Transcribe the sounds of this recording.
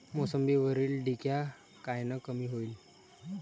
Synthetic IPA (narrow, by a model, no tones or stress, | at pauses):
mosəmbiʋəɾiːlɖikja | kajnəkəmiːɦoiːl